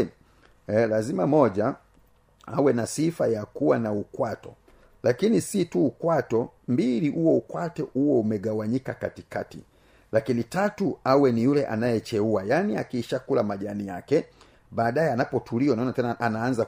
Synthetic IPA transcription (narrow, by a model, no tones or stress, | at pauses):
lazimamɔʄa | a̰wɛnasifajakuwanaukwatɔ̰ | lakinisituːkwatɔmbiliʔuɔukwatɔʔuwɔumɛɡawaɲikaka̰tikatḭ | lakinitatuawɛnijulɛʔa̰najɛt͡ʃɛuajaniakiːʃakulamaʄanija̰kɛ | ɓaːɗajɛanapɔtʰuliɔnaɔnatɛnaanaːnza